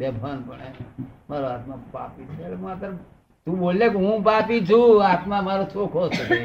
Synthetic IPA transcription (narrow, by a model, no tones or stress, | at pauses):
bebʱanpəɳemaːɾoaːt̪mãpa̰ːpit͡ʃʰːkmãpəɾ | t̪ũboːlːekiɦũpaːpid͡ʒʰũaːt̪mãmaːɾot͡ʃʰoːkʰoːsəke